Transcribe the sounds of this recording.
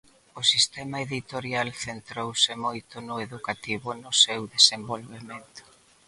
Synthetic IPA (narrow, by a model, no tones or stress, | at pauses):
ʊsist̪ɛmaeðit̪oɾjalθent̪ɾowsɪmojt̪ʊnʊeðukat̪iβʊnʊsewðesembolβemẽnt̪ʊ̥